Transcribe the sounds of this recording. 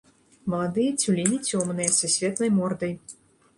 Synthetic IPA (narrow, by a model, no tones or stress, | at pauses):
mɐlˠad̪ɨjɐt͡sʲulʲinʲit͡sʲɔmnɨjɐsusʲvʲɛt̪nɐjmɔrd̪ɐj